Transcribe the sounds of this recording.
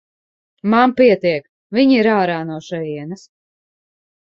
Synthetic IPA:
mampiɛt̪iɛk | viɲiiɾaːɾaːnuɔʃɛjiɛnɐs

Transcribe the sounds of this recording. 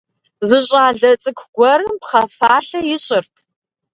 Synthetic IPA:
zɨɕʼaːɮɐt͡sʼɨkʷʰɡ̥ʷɔɾɨmpχɐfaːɬɐjɪɕʼɪrtʰ

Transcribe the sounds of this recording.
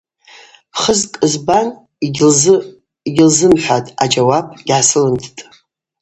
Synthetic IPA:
χəzkʼɨzban | il | iɡʲɪlzɨmħʷᶣatʼad͡ʒawab̚ʼɡʲʕasɨlɨntʰtʼ

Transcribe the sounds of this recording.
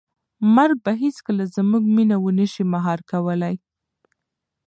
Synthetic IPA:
maɾɡ̚baɦeskəlazmuɡminawənəʃimaɦɑɾkawəlaj

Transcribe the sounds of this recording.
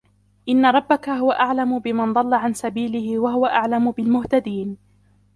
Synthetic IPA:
ʔɪnːaɾˤɑbːakaɦʊwaʔaʕlamʊbɪmand̪ˤɑlːaʕansabiːlɪhɪwaɦʊwaʔaʕlamʊbɪlmʊht̪ad̪iːn

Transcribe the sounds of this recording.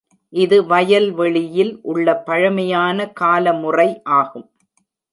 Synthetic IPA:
ʔɪðɯʋɐjɐlʋɛɭɪjɪlʔʊɭːɐpːɐɻɐmɐjaːnɐkaːlɐmʊrɐɪʔaːɣɯm

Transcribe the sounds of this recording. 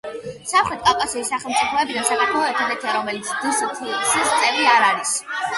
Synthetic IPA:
samχwɛt̪̚ʼkʼakʼasiisaχɛlˠmt̪sʼipʰɔɛbid̪ansak̪ʼak̪ʰɔɔɛt̪ʰad̪ɛt̪ʰiaɾɔmɛlit̪sʰd̪̥ɨst̪ʰisist̪sʼɛviaɾaɾis

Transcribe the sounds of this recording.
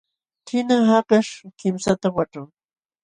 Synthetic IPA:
tʰɪnahakaʂkɪmsat̪awaʈ͡ʂaŋ

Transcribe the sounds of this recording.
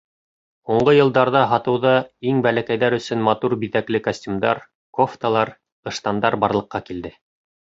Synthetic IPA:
huɴɢɤjɤ̆lˠd̪ɑɾðɑɦɑt̪ɤ̆wðɑiŋbælækæjðæɾɵ̆sɵnmɑt̪uɾbiðæklɘkasʲtʲumd̪ɑ̰ɾ | koft̪ɑlˠɑɾ | ɤ̆ʃt̪ɑnd̪ɑɾbɑɾlˠɤ̆qːɑkild̪ɘ

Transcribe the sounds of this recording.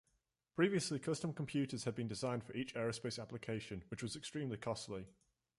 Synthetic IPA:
pʰɹ̥iːviəslɪkʰʌstə̃mkʰə̃mpʰj̥ʉˑtəz̥əd̚bĩndɪzãɪ̃nd̥fəɹiˑt͡ʃɛːɹəspeɪsaplɪkʰeɪʃə̃nwɪt͡ʃwɒzɛkstɹ̥ĩːmlikʰɒstlɪ

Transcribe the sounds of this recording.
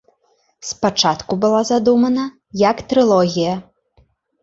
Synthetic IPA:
spat͡ʂat̪kubɨlˠazad̪umɐnɐ | jɐkt̪ɾɨlˠɔɣʲijɐ

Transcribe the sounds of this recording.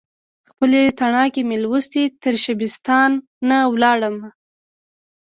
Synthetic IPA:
xpəlet̪aɳɑkemelwəst̪it̪əɾʃabɪst̪ɑnː | awlɑɽəma

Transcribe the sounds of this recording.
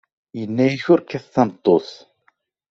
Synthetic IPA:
jənːæjiçʊɾkːæθːɑmət̪ˤːoθ

